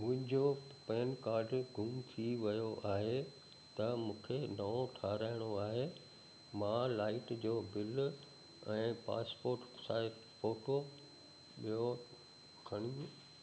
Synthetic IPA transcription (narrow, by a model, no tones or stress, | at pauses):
mʊ̃ɦɪ̃d͡ʑoːpɛːnkaːɾɖɡʱʊmt̪ʰiʋɐjoʔaːɦe | t̪ɐmũːkʰenɐõʈʰaːɾaːɪɽ̃oaːɦe | mãːlaːɪʈd͡ʑoːbɪl | ɛ̃ːpa̰ːspoːɾʈsaːɪt | foːʈo | ɓijo | kʰɐɽ̃jũ